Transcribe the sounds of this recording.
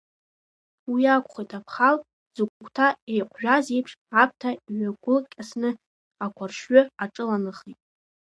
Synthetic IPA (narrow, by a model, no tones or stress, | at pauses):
wiakʷχijtʼapʰχal | z̥ukʷkʷʰʼtʰaejqʷʰʒᶣazejpʰʂap̚tʰaiʕʷaɡʷʊlkʲʼasnɨ | akʷʰarʃɥʏaʈ͡ʂʼɨlanɨχitʼ